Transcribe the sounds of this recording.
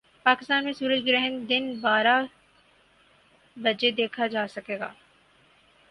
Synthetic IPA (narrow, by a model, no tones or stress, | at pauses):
paːkɪst̪aːnmẽsuːɾəd͡ʒɡɪɾɛɦənd̪ɪnbaːɾa | bɐd͡ʒed̪eːkʰad͡ʒaːsɐkeːɡa̰ː